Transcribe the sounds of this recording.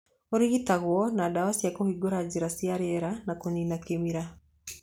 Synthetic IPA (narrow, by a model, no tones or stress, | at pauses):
oɾiɣitaɣwɔnadawasjakohiɡoɾad͡ʒiɾasiaɾeɛɾanakoninakemiɾa